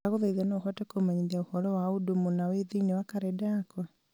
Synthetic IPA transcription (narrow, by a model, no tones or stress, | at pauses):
aɣoðaiðanɔːxɔtɛkomaɲiðiaohɔɾɔwaodomonaweðeinewakaɾɛdaːkwa